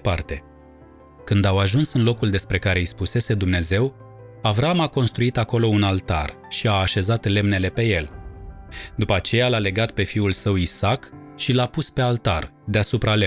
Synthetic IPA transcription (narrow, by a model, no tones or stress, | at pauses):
part̪e̞ | kɨnd̪awaʒunsɨnlo̞kuld̪e̞spɾe̞kaɾe̞jspuse̞se̞d̪umne̞ze̞w | avɾaamako̞nst̪ɾuit̪ako̞lo̞unalt̪a̰r | ʃiaːʃe̞zat̪le̞mne̞le̞pe̞je̞l | d̪upəat͡ʃe̞jalale̞ɡat̪̚pe̞fiulsəwisak | ʃilapuspe̞alt̪a̰r | d̪easupɾale